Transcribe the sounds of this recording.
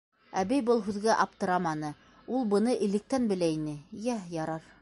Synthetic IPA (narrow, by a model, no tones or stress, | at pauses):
æbɘjbɤlˠɦʉðɡæʔɑp̚t̪ɤ̆ɾɑmɑnɤ | ulˠbɤ̆nɤʔɘ̆lɘ̆k̚t̪ænbɘ̆læinɘjæjɑɾɑɾ